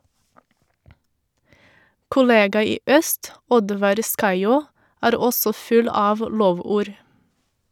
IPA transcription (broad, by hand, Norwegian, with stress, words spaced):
kʊˈleːɡɑ ˈiː ˈœst ˈɔdʋɑɾ ˈskɑɪˌoː ˈæːɾ ˈɔsɔ ˈfʉl ˈɑːʋ ˈloːˌʋuːɾ